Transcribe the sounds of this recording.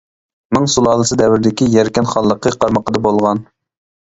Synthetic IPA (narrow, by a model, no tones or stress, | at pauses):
mɨŋsulˠɑːlˠəsɨd̪ɛwɪɾd̪ɪkʲijɛɾkʲɛnχɑlˠːəqʰəqʰɑɾməqəd̪ɑbolˠʁɑn